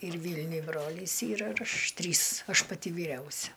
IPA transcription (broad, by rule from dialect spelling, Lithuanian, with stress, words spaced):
ɪr ˈʋʲiːlʲnʲʊj ˈbroːlʲɪs ˈiːrɐ ɪr ˈɐʃ ˈtʲrʲiːs ˈɐʃ pɐˈtʲɪ ʋʲiːˈrʲɛʊsʲɛ